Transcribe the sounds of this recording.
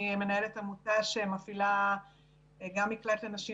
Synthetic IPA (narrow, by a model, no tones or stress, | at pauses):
me̞nae̞letamutaʃemafila | ɡamːiklatlanaʃi